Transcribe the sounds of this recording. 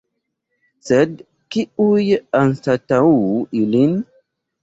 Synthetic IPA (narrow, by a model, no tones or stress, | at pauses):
sɛd | kiujeansatawuilin